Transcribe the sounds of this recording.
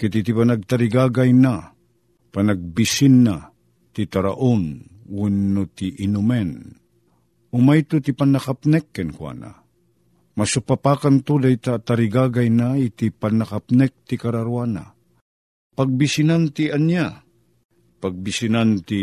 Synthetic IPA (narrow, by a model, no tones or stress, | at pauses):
kit̪it̪ipanaɡ̚t̪aɾiɡaɡajna | panaɡ̚bisinːa | t̪it̪aɾa̰ʔunwunːut̪iʔinumɛn | ʊmajt̪ut̪ipanːakapnɛkːɛnkwa̰na̰ | masupapakant̪udajt̪at̪aɾiɡaɡajnait̪ipanːakapnɛk̚t̪ikaɾaɾuana̰ | paɡ̚bisinant̪ianja | paɡ̚bisinant̪i